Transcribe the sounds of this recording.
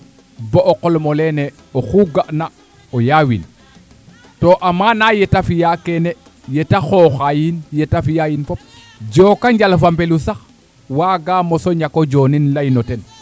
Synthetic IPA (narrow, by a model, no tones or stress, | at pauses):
boʔːqolmolene | oxuɡaʔna | ojawḭn | toʔamanajetafijakene | jetaxoxajinjetafijajinfop̚ | d͡ʒokaɲɟalfambelusax | waːɡamosoɲakod͡ʒoːninlajinoten